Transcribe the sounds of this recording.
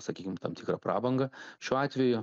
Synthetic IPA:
sɐkʲiːkʲɪmt̪ɐmt̪ʲɪːkɾɐpɾʔɑ̰ːbɐŋɡɐʃʲuːɑːt̪ʲʋʲɛjʊ

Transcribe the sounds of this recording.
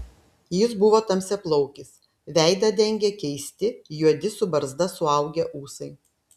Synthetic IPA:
jɪsbʊʋoːt̪ɐmʲsʲɛplˠɔʊkʲɪs | ʋʲɛˑɪd̪ɐd̪ʲɛŋʲɡʲɛkʲɛɪsʲt̪ʲɪjuɔd̪ʲɪsʊbɐɾzd̪ɐsʊɐˑʊɡʲɛʔuːsɐɪ

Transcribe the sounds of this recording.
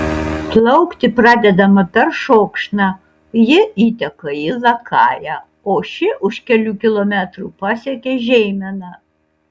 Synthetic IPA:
plʲˠɐʊkt̪ʲɪpɾɑːd̪ʲɛd̪ɐmɐpʲɛɾʃoːkʃnɑ | jɪiːt̪ʲɛkɐɪlɐkʰɑ̰ːjæ | oːʃʲɪʔʊʃkʲɛlʲuːkʲɪlˠoːmʲæt̪ɾuːpɑːsʲɛkʲeːʒʲɛɪmʲɪnɐ

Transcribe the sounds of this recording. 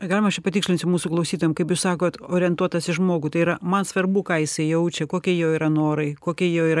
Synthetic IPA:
ɡɑːlʲɪmɐʃt͡ʃʲɛpɐt̪ʲikʃʲlʲɪnsʲʊmuːsʊklˠɐʊsʲiːt̪oːjɛmkɐɪpjuːssɑːkoːt̪oːɾʲɪɛnt̪uɔt̪ɐsɪʒmoːɡut̪ɐɪiɾɐmɐnsʋɐrbuːkɑːjɪsɐɪjɛʊt͡ʃʲɛkoːkʲɛjoːiːɾɐnoːɾɐɪkoːkʲɛjoːiːɾɐ

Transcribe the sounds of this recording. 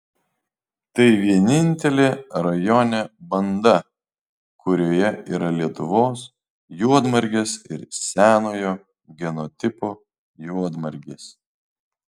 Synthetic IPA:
t̪ɐɪʋʲiɛnʲɪnʲt̪ʲɛlʲeːɾɐjɔnʲebɐnd̪ɐ | kʰʊɾʲoːjɛiːɾɐlʲiɛt̪ʊʋoːs | juɔd̪mɐɾʲɡʲeːsɪɾsʲæːnoːjoː | ɡʲɛnɔt̪ʲɪpoː | juɔd̪mɐɾʲɡʲeːs

